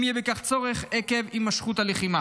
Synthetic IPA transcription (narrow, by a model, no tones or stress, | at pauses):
mijebekaχt͡so̞ʁeχekevimːaʃχut̪aleχima